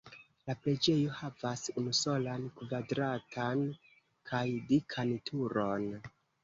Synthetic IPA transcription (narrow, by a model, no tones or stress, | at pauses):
lapɾe̞d͡ʒe̞jo̞havasunuso̞lankvadɾatʰan | kʰajdikʰantʰuɾo̞n